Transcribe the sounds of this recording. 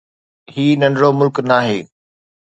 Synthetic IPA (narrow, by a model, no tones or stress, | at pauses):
hiːnɐ̃ɳɖɽomʊlknaːɦeː